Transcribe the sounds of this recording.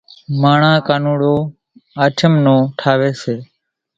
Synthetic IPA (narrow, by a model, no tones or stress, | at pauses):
maːɳãːkaːnuːɽoː | aːʈʰəmnõːʈʰaːʋeːseː